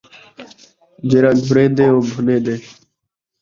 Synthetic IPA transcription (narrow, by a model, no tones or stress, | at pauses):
d͡ʒeːɾãːɡʱʊɾeːd̪eːoːbʱʊleːd̪eː